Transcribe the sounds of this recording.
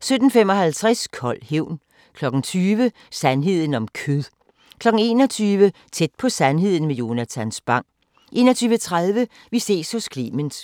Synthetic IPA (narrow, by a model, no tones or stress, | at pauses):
sød̥n̩femɒ̽ɦælt͡sʰʁaskʰɒ̽l̰heʊ̰n | kʰlɒ̽ɡ̥n̩t͡sʰyːʋə | sænɦe̝ð̞̰ˠn̩ɒ̽mkʰøðˠ | kʰlɒ̽ɡ̥n̩e̝̰ːnɒ̽t͡sʰyːʋə | t͡sʰed̥̚pʰɒ̽sænɦe̝ð̞̰ˠn̩mejo̝næt͡sʰænsb̥ɑ̈ŋ̰ | ʔe̝̰ːnɐt͡sʰyːʋət͡sʰʁað̞ˠʋə | ʋise̝̰ːshɔ̽skʰlḭməns